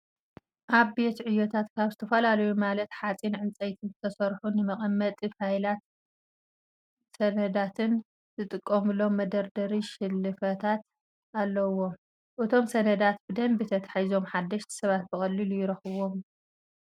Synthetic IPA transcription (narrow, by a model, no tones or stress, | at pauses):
ʔaβbe̞t̪ʕɨjːot̪ʰat̪kʰaβzɨt̪ʰɐfɐlalɐjumalɐt̪ħat͡sʼinʕɨnt͡sʼɐjt̪ʰɨnzɨt̪ʰɐsɐɾħunɨmɐχʼɐmːɐt̪ʼifhajlat̪ | sɐnɐd̪at̪ʰɨn | zɨt̪ʼɨkʼːɐmɨlo̞mɐd̪ɐɾd̪ɐɾiʃɪlːɨfɐt̪ʰat̪ | alːɐwo̞ | ʔɨt̪ʰo̞msɐnɐd̪at̪bɨd̪ɐmbit̪ʰɐt̪ʰḁħajzo̞mħad̪ːɐʃt̪ʰsɐβat̪̚bɨxʼɐlːilujɪɾɐxɨβo̞m